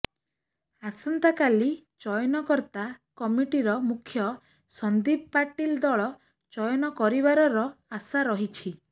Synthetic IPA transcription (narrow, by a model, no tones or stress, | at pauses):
asɔnt̪akali | t͡ʃɔjɔnɔkɔɾt̪akɔmiʈiɾɔmukʰjɔ | sɔnd̪ibpaʈild̪ɔɭɔ | t͡ʃɔjɔnɔkɔɾibaɾɔɾɔasaɾɔɦit͡ʃʰi